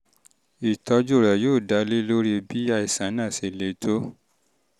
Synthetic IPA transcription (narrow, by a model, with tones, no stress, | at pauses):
i˨tɔ˧˦d͡ʒo˦˨ɾɛ˨joː˦˨da˨˦le˦lo˦ɾi˦˧bi˦a˦˧i˨sã˨˦nã˦˨se˨le˨tʰo˦